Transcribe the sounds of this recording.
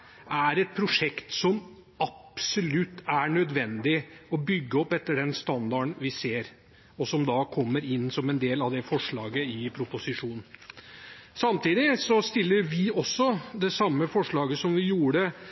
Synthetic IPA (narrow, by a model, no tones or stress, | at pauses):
æɾɛt̪̚pʰɾʊʂɛkt̪sɔm | ʔɑpsʊlʉt̪ːæɳœd̪ʋɛnd̪ɪɔbʏɡːəɔpɛt̪ːəɖɛnst̪ɑnd̪ɑɳʋɪseːɾ | ɔsɔmd̪ɑkʰɔmːəɾɪnːsɔmɛnd̪eːlɑʋd̪ɛfɔʂɭɑːɡəɪpʰɾʊpʊsɪʂuːnn | sɑmt̪iːd̪ɪsɔst̪ɪlːəʋɪɔsːɔd̪ɛsɑmːəfɔʂɭɑːɡəsɔmʋɪjuːɾə